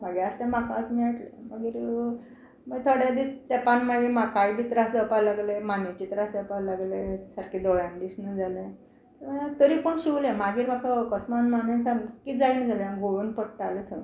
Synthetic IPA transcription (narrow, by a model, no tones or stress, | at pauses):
maɡaast̪ãmakat͡smiːaʈlḛmaɡiːɾ | məɡt̪ʰoɽjad̪it̪epanmaɡimakajbit̪ɾasd͡zəpalaɡlemanit͡ɕit̪ɾasd͡zapalaɡlesaɾkid̪ɔjãmɖiɕnəd͡zale | t̪əɾmat̪əɾipəɳɕiwlẽmaɡiːɾmakʰakəsmanmanãt͡sakid͡zainəd͡zaləaɡʱojuːnpəɽʈalet̪ʰə